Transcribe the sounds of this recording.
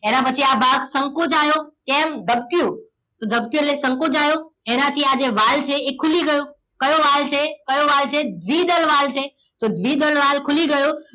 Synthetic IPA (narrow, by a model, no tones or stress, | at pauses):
eːnãpət͡ʃʰiabʱaːɡsə̃ŋkod͡ʒaːjokɛ̃ːmd̪ʱəb̚kijo | t̪od̪ʱəbkjolesə̃ŋkod͡ʒaːjoeːnãt̪ʰiad͡ʒeʋaːlt͡ʃʰeekʰːʊliɡəjo | kɐjoʋaːlt͡ʃʰekəjoʋaːlt͡ʃʰed̪ʱʋid̪əlʋaːlt͡ʃʰe | t̪od̪ʱʋid̪əlʋaːlkʰʊliɡəjo